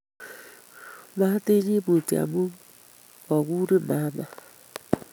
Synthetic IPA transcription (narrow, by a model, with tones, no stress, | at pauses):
ma˦te˦ɲi˦bo˨ti˨a̰˨mu˦ | ɔ˨ɡu˦ɾi˦ma˨˦ma˨